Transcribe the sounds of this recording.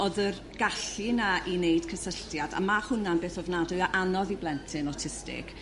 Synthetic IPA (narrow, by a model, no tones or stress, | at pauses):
oðər | ɡ̥aɬinaʔinejd̥kʰəsəɬtjada̰mahʊnanbeːθɔvnadʊɨaʔanɔðiblˠɛntʰɪnɔtʰɪstɪ̰k